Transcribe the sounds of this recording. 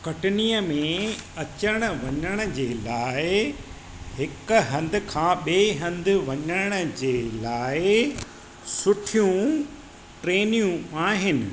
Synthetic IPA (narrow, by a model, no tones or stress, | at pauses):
kɐʈɪniːəmẽɐt͡ɕəɽ̃ə̆ʋɐɲəɽ̃ə̆d͡ʑeːlaːɪ | ɦɪkɦɐ̃nd̪ʱɪ̆kʰãːɓeːɦɐ̃nd̪ɪ̆ʋɐɲəɽ̃ə̆d͡ʑeːlaːɪ | sʊʈʰijũ | ʈɾeːnijũaːɦɪnɪ̆